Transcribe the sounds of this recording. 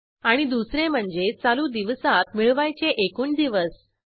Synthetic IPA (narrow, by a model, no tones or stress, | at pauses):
aɽ̃id̪usɾem̤əɳd͡zet͡saluːd̪iʋsat̪miɭʋajt͡ɕeʔekuːnd̪iʋəs